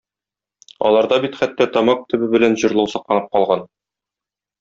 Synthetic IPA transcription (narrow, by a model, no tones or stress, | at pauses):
ɒ̰lˠɑɾd̪ɑbit̪χæt̪ːæt̪ɒmɑq̚t̪ɘ̆bɘbɘ̆lænʑɤ̆ɾlˠɤwsɤ̆q̚lˠɑnɤp̚qɒlˠʁɑn